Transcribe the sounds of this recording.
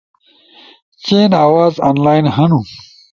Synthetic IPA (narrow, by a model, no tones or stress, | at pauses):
t͡ɕeːnaːwaːzaːnlaːjnɦɐnu